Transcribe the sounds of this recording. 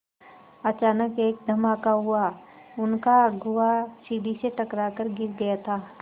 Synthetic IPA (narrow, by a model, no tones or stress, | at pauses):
ɐt͡ʃaːnəkeːk̚d̪ʱɐmaːkaɦʊa | ʊnkaɡʊʋasiːɖiseʈɐkɾakəɾɡɪɾɡɐjat̪ʰaː